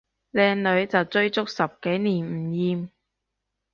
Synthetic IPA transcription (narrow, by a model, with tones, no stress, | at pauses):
lɛː˧ŋlɵ˨˧˥ɥt͡sɐ˨wt͡sɵ˧ɥt͡sʊ˥k̚sɐ˨p̚ke˨˥jniː˨˩nm̩˨˩jiː˧m